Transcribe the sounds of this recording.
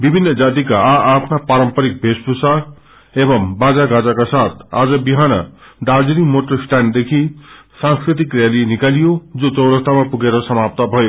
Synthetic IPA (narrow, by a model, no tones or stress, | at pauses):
bibʱinːʌd͡zat̪ikaaʔːpʰnapaɾʌmpʌɾik̚bʱespusa | ebʌmbad͡zaɡad͡zakasat̪ʰa̰d͡zʌbiɦanʌ̰ | ɖald͡zinimoʈʌrsʈand̪ekʰi | sãŋskɾit̪̬ikrjalinikalijod͡zot͡sʌwɾʌkt̪amapuɡeɾʌsʌmap̚t̪ʌbʱʌjo